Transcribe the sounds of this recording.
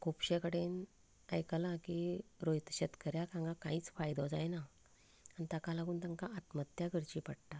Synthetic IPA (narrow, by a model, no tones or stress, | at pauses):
kʰupɕekəɽen | əjkəlakiɾojt̪əɕət̪kəɾjakãŋɡakãĩːt͡sfajd̪ɔd͡zajna | anit̪akalaɡuːnt̪ãŋkaat̪mət̪jaɡəɾt͡ɕipəɽʈa